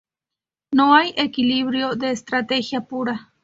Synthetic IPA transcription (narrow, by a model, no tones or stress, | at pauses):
noajʔekiliβɾjod̪eːst̪ɾat̪exjapuɾa